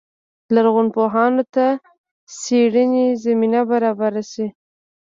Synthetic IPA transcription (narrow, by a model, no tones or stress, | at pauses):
laɾɣʊnpoɦɑnot̪a | seɽənezaminabaɾɑbaɾasi